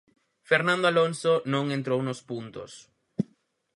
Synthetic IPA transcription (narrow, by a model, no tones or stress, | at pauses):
feɾnãnd̪oalõnsonõŋẽnt̪ɾownospunt̪o̰s